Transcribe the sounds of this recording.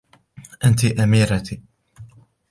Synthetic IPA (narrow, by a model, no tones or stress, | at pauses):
ʔant̪iʔamiːɾat̪i